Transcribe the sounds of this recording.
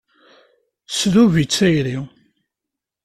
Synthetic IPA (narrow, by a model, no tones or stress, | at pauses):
sðuvit͡sːæjɾi